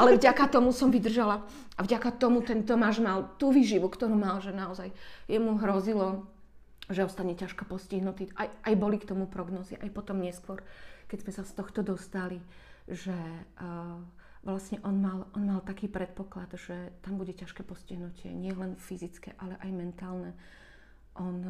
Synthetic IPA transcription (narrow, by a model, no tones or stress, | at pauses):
ʔalɛvɟakat̪ɔmusɔmʋid̪r̩ʒala | ʔavɟakat̪ɔmut̪ɛnt̪ɔmaːʒmalt̪uːʋiːʒiʋukt̪ɔɾuːmalʒɛnaɔzajjɛmuɦɾɔzilɔ | ʒɛɔst̪aɲɛcaʃkɛpɔsciɦnut̪iajʔajbɔlikt̪ɔmupɾɔɡnɔːziʔa̰jpɔt̪ɔmɲɛskʋɔɾkɛzmɛsast̪ɔxt̪ɔd̪ɔst̪aliʒɛ | ʋlasɲɛʔɔnmalɔnmalt̪akiːpɾɛt̪̚pɔklad̪ʒ̥ɛt̪ambuɟɛcaʃkɛpɔsciɦnucɪɛ̰ɲɪɛlɛnfizit͡skɛ̰ʔalɛʔajmɛnt̪aːlnɛ | ʔɔn